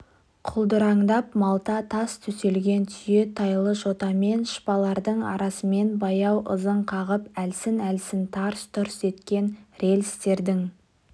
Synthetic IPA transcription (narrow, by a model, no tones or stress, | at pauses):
qʰʊlˠd̪əɾɑɴd̪ɑpmɑlˠt̪ɑt̪ʰɑst̪ʰɵse̞lɡʲe̞nt̪ʰʏje̞t̪ʰɑjlˠəʃo̞t̪ɑme̞nʃpɑlˠɑɾd̪əɴɑ̰ɾɑsəme̞nbɑjɑwʔə̰zəɴqʰɑʁəpælsɪnælsɪnt̪ʰɑɾst̪ʰʊɾse̞t̪kʲe̞nɾe̞lɪst̪e̞ɾd̪ɪŋ